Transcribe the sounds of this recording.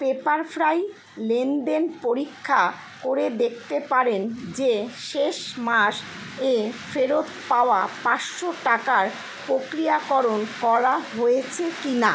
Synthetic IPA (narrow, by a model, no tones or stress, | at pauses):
pepaɾfɾaj | lenɖenpoɾikʰːa | koɾed̪ek̚ʰt̪epaɾend͡ʑeʃeʃmaʃ | efʰeɾod̪paoapaʃʃoʈakaɾ | pɾokɾijakɔɾonkɔɾaɦojet͡ɕʰekina̰